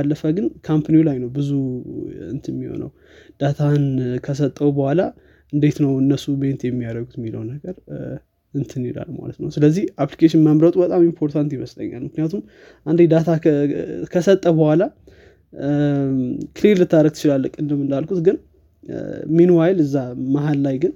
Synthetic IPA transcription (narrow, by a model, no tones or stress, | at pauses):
alːəfəɡɨnkʰampniulajnəwbɨzuɨ̰nt̪ʰɨmːiho̰nə̰w | d̪̥at̪ʰankʰəs̬ət̪ʼːəwbəhʷala | ʔɨnd̪e̞t̪nəwɨnːəsume̞nt̪jɛmːijaɾəɡut̪mːilə̰wnəɡəɾ | ɨnt̪ʰɨnila̰lma̰lət̪nəwsɨləzːihʔaplikeʃɪnməmɾət̪ʼubət̪ʼamimpʰo̞ɾt̪ʰant̪jɪməslə̰ɲːa̰lmɨknijat̪ʰum | ʔand̪ed̪at̪ʰa | kʰəsət̪ʼːəbəhʷwala | kʰɨleɾlɨt̪ʰːaɾəɡ̚t̪ʰɨt͡ʃɪlalːəkʼːɨnd̪əmːɨnd̪alkʰut̪ɡɨn | minuwajlɨzːamaɦalːajɡɨn